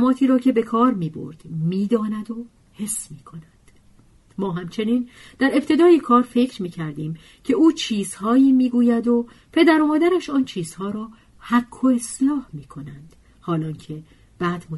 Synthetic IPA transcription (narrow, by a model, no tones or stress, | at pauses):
mɒːt̪ʰiːɾɒːcʰe̞be̞kʰɒːɾmiːbo̞̰ɾd̪̥miːd̪ɒːnæd̪o̞ | he̞sːmiːkʰo̞nænd̪̥ | mɒːɦæmt͡ʃʰe̞niːnd̪̥æɾe̞pt̪ʰe̞d̪ɒːjekʰɒːɾfe̞cʰɾmiːcʰæɾd̪iːm | cʰeuːt͡ʃʰiːz̥hɒːjiːmiːɡuːjæd̪o̞ | pʰe̞d̪æɾomɒːd̪æɾæʃɒːnt͡ʃʰiːz̥hɒːɾɒː | hækʰːo̞eslɒːhmiːkʰo̞nænd̪̥ | hɒːlɒːncʰe̞ | b̥æːd̪mo